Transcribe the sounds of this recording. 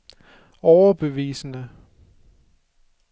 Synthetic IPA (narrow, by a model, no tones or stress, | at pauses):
ɒʊɐb̥e̝ʋḭːsənə